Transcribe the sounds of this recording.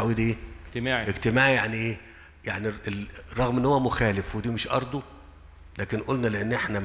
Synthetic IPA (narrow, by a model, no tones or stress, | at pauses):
awiːd̪iːmaːʕʔeɡt̪ɪmaːʕijaʕniʔeː | jaʕnierˤɑɣmʔenːhowːæmʊxæːlɪfwed̪iːmeʃʔɑ̰ɾˤd̪ˤu | læːkenʔolnæleʔenːʔeħnæm